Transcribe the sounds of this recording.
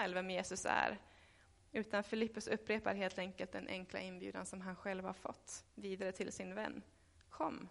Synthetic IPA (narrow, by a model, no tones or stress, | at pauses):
lvɛmjeːsɵsæ̰ɾ | ʉ̟ːt̪anfɪlɪpːɵsɵpːɾeːpaɾɦeːlt̪ɛŋkəlt̪̚d̪ɛnʔɛ̰ŋkʰla̰ɪnbjʉ̟ːd̪a̰nsɔmɦanɧɛlvhaɾfɔ̰t̪ːviːd̪aɾət̪ʰɪlsɪnvɛ̰nː | kʰɔmː